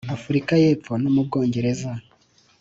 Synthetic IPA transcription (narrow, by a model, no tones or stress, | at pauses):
afuɾikaje̞ːp͡fo̞nomub̚ɡo̞ːɲɟe̞ɾe̞za